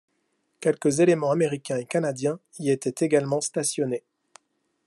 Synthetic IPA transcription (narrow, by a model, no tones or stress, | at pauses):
kʲɛlkəzelemɑ̃ameʁikʲɛ̃ekanad̪jɛ̃ | iet̪ɛt̪eɡalmɑ̃st̪asjɔne